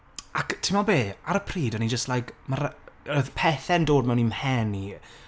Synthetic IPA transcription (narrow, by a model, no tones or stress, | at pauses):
aktʰɪmɔbeːaɾəpʰriːdənid͡ʒəstlajkmaɾəðpʰɛθɛndoːdmɛwnimhɛni